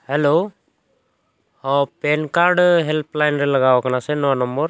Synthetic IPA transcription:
hɛlo | hɔpɛnkaɾɖɦɛlpʰlajnɾɛlaɡawakanasɛnɔwanɔmbɔɾ

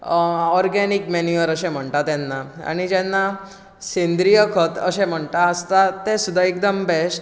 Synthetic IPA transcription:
ɔɾɡɛnikmenjuʋəɾəsẽm̤əɳʈ̪at̪jɛnːaa̰ɽ̃id͡ʑɛnːa | sẽnd̪ɾijəkʰət̪ə̰sẽm̤əɳt̪aəst̪at̪esud̪ʱaek̚d̪əmbes

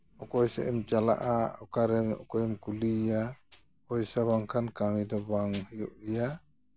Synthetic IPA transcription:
ɔkɔjsa̰ʔɛmt͡ʃala̰ʔaɔkaɾɛɔ̰kɔjɛmkulija | ɔjsaβaŋkʰankamidɔbaŋhɯjuʔɾija

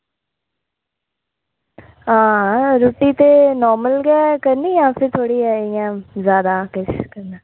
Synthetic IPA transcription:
ɦãːɾoːʈiːt̪eːnɔːɾməlɡɛːkəɾniːjãːpʰɪɾt̪ʰoːɽiːɛːɪjãːzjaːd̪aːkɪt͡ʃkəɾnɛː

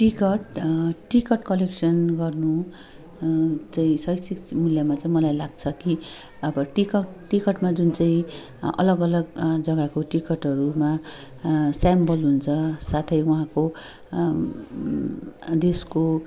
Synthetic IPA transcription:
ʈikʌʈʈikʌʈkʌleksʌnɡʌrnu | t͡saĩsʌjsikmuljamat͡saĩmʌlajlaɡ̚t͡sʰʌki | ʌbʌʈikʌʈʈikʌʈmad͡zunt͡saĩ | ʌ̰lʌɡʌlʌɡd͡zʌɡakoʈikʌʈʌɾuma | sambʌlɦunt͡sʰʌsat̪ʰʌjuɦãko | d̪esko

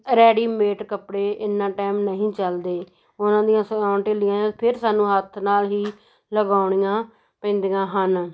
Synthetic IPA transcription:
ɾɛːɽiːmeːʈkəpɽeːʔɪnːãːʈɛːmnəɦĩːt͡ʃəld̪eː | ʊnãːd̪ijãːsəɡaːɳʈelɪjãːãpʰɪɾsaːnũːɦət̪ʰnaːlɦiː | ləɡaːʊɳijãː | pɛ̃ːnd̪ijãːɦən

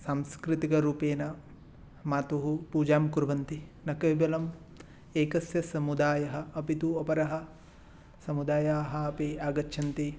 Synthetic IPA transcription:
saːmskɾɪt̪ikɐɾuːpeːnɐ | maːt̪uɦupuːd͡ʒaːmkuɾʋɐnt̪inɐkɐjbɐlɐm | eːkɐsjɐsɐmud̪aːjɐɦɐɐpit̪uɐpɐɾɐɦɐ̆ | sɐmud̪aːjaːɦɐɐpiaːɡɐt͡ʃːʃʰɐnt̪i

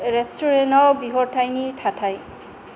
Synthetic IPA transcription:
ɹɛstuɹɛnɔwbiɦɔɹtʰajnitʰatʰaj

